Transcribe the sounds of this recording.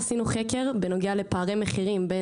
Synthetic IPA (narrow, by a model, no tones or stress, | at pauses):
sinuχeke̞ʁbeno̞ɡeale̞paːʁemeχiʁimbe